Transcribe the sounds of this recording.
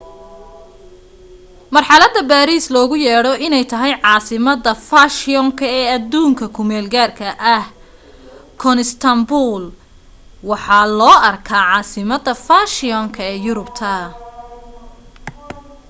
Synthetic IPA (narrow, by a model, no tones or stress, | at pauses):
mɐrħɑlɐd̪ɐbaːɾiːslɔːɣʊjɛːɽɔʔɪnɛjt̪ʰɐɦɛjʕɑːsɪmɐðɐfaʃɪɔŋkʰɐɛːɐd̪ːuːŋkʰɐkʰʊmɛːlɡaːrkʰɐʔɐh | kʰɔnɪst̪ʰɐmbul | wɑħɑːlɔːɐrkʰaːʕɑːsɪmɐd̪ɐfaːʃɪɔŋkʰɐɛːjʊɾʊbt̪ʰɐ